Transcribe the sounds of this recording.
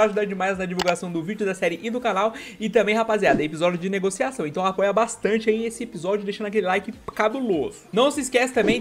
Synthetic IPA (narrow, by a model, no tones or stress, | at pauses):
aʒud̪ad͡ʒɪmajznɐd͡ʒivuwɡasɐ̃w̃d̪ʊvid͡ʒʊd̪ɐsɛɾɪʔɪd̪ʊkanawɪt̪ɐ̃mbẽj̃ɦapaziad̪ɐɛepizɔd͡ʒjʊd͡ʒɪneɡosiasɐ̃w̃ẽnt̪ɐ̃w̃apɔjɐbast̪ɐ̃nt͡ʃɪaiesɪepizɔd͡ʒʊd̪ejʃɐ̃akelɪlajkɪkabulozʊnɐ̃w̃sɪskɛsɪ̥t̪ɐ̃mbẽj̃